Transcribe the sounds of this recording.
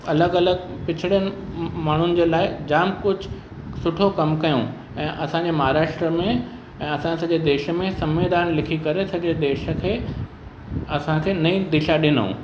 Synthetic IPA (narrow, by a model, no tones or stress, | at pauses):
ɐləɡɐləɡ | pɪt͡ɕʰɪɽijənɪ̆ | maːɳ̤ʊnɪ̆d͡ʑeːlaːɪd͡ʑaːmkʊd͡ʑʱ | sʊʈʰokɐmkɐjõ̰ | ɛ̃ːʔɐsãɲd͡ʑemɐɦaːɾaːʃʈɾəmẽ | ɛ̃ːɐsãsɐd͡ʑed̪eːʃmẽsɐ̃mʋeːd̪aːnlɪkʰikɐɾesɐd͡ʑed̪eːʃəkʰeː | ɐsãkʰeːnɐĩd̪ɪʃaɗɪnṵ̃ː